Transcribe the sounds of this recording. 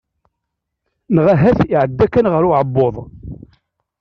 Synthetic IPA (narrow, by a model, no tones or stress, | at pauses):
nəʁaɦæθiʕəd̪ːækːænʁəɾʊʕəbːoðˤ